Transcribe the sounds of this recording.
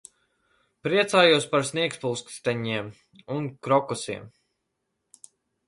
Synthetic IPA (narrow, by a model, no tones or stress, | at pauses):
pɾiɛt̪saːjuɔspaɾsniɛkspulˠskst̪ɛɲiɛm | unkɾɔkɔsiɛm